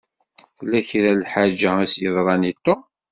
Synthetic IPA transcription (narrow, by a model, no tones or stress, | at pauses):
θlːæçɾælħad͡ʒææsjəðˤɾˤɑnit̪ːo